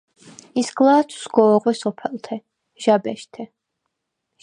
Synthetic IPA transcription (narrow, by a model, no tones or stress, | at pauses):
isɡlˠaːt̪ʰu̥sɡɔːʁwɛsɔpʰɛlˠt̪ʰɛ | ʒ̥abɛʃt̪ʰɛ